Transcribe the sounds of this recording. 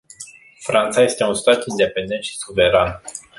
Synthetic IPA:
fɾant̪saje̞st̪e̞unst̪at̪ind̪e̞pe̞nd̪e̞nt̪ʃi̥suve̞ɾan

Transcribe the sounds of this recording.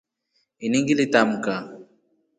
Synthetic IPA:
iniŋɡilitam̩ka

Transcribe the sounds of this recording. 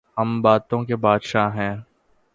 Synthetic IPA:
ɦɐmbaːt̪õkebaːd̪ʃaɦɛ̃ː

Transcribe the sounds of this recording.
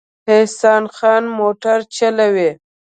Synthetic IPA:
hesɑːnxɑːnmoʈaɾt͡ʃalawe

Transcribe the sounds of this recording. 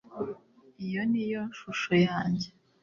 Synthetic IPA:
ijo̞nijo̞nʃuʃojaːɲɟe

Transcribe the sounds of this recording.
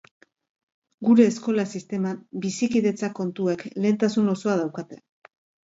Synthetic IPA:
ɡuɾe̞ːsko̞lasist̪e̞mabisikiðe̞t͡sako̞nt̪uekle̞ːnt̪asuno̞so̞að̞awkat̪e̞

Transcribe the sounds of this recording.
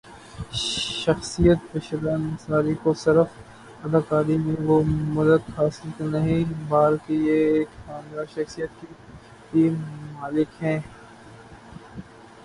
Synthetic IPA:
ʃɐxsijət̪̚peʃələnsaːɾikosɪɾəf | ɐd̪aːkaːɾimẽʋomɐd̪ət̪haːsɪlknaɦĩbaːɾkijeːkxaːmlaʃɐxsijət̪ki | t̪iːmmaːlɪkɦɛ̃ː

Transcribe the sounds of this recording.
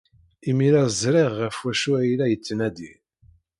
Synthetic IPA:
imiɾæzˤɾˤeʁːəfwæʃuæjilæjət͡sːənæd̪i

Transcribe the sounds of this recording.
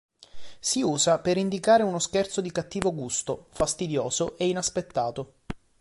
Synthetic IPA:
siuːzapeɾind̪ikaːɾeunoskɛrt̪sod̪ikat̪ːiːvoɡust̪ofast̪id̪joːzoʔeinaspet̪ːaːt̪o

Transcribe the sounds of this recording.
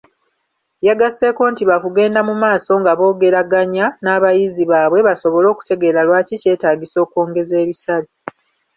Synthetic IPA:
jaɡase̞ko̞ːntiβakuɡe̞ːndamumaːso̞ŋɡaβo̞ːɡe̞ɾaɡaɲanaːβajiziβaːβwe̞βaso̞βo̞lo̞ːku̥te̞ɡeɾalwaːcice̞ːtaːɟiso̞ːko̞ːŋɡe̞ze̞ːβisali

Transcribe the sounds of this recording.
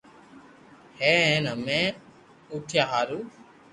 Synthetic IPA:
hẽːẽnəmẽː | uʈʰjaːɦaːɾuː

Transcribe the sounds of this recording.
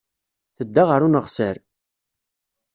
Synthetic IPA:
θəd̪ːaʁəɾunəʁsəɾ

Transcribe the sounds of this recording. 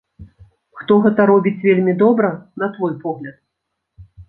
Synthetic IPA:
xt̪ɔɣɛt̪ɐɾɔbʲit͡sʲvʲelʲmʲid̪ɔbɾɐnɐt̪vɔjpɔɣlʲɐt̪̚

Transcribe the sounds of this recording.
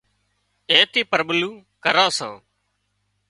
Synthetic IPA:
ẽːt̪iːpəɾɓluːkəɾãːsã̰ː

